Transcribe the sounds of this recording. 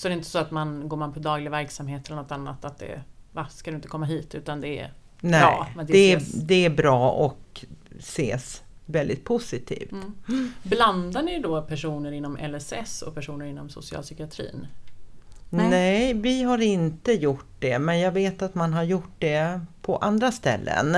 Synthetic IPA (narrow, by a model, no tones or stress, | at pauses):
sɔɛɾɪɪnt̪ə̥sɔat̪manɡoːɾmanpʰɔd̪ɑːɡlɪɡvæɾksamheːt̪ʰɛlːənɔt̪anːa̰t̪at̪̚d̪ɛ̰vaskad̪ɵɪnt̪əkʰɔmːaɦiːt̪ʉ̟ːt̪and̪ɛ̰ | nɛɑ̰ːmɛnd̪d̪ɛd̪ɛæbɾɑːɔksḛːs | vɛld̪ɪ̰t̪̚pʰʊsɪt̪ʰḭːft̪bland̪anɪjd̪opʰæʂuːnəɾɪnːɔmɛ̰lɛsɛsɔ̰pʰæʂuːnəɾɪnːɔmsʊ̰sɪɑ̰lsʏkɪat̪ʰɾḭːn | nɛvɪɦaɾɪnt̪əjʊʈd̪ɛmɛnjɑːɡveːt̪at̪manɦaɾjʊʈ̚ːd̪ɛpʰɔʔand̪ɾast̪ɛ̰lːə̰n